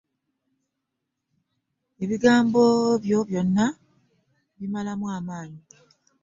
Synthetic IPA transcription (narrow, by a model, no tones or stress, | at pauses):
e̞βiɡaːmbo̞βjo̞βjo̞nːa | βimalamwaːmaːɲi